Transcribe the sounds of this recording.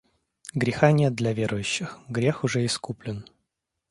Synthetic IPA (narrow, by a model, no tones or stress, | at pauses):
ɡɾʲɪxanʲet̪̚d̪lʲɐvʲe̞ɾʔʊjʉɕːɪxɡɾʲe̞xʊʐɛɪskuplʲɪn